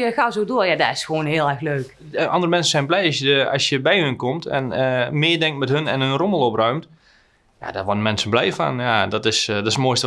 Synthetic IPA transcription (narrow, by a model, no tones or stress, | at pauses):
jəxaːzoːdoːjadaɪsxʋoːnɦɪəlˠɛrxløːk | ʔɑ̰ndərəmɛnsən̩sɛjnblɛjɔsjəəɑ̰sjəbɛjhənkomtɛ̰nəmɪːədɛŋktmɛtɦɵnɛnənroməlˠɔprœɥmt | ja̰dɔʋɔdəmɛnsənblɛjfa̰njadɔtɪsdɔtɪsəmoəstə